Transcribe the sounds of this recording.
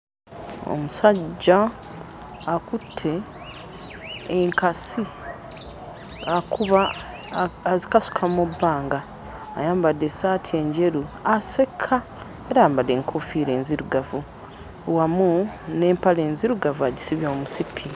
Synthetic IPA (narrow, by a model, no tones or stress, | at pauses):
o̰musaɟːaː | kutʰːe̞ | ŋkasi | akuβaː | zikasu̥kʰamubːaːŋɡaː | jaːmbade̞saːtʰie̞ːɲɟe̞ɾuase̞kʰːa | e̞ɾaːmbadeːŋkʰofiːɾe̞ːnziɾuɡavu | wamune̞ːmpaleːnziɾuɡavuaɟisiβjomusipʰi